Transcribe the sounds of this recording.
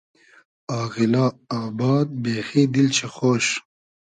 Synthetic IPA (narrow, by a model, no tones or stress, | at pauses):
ɑːɣilɑːaːbɑːd̪̚beːxid̪ilt͡ʃʰexoːʃ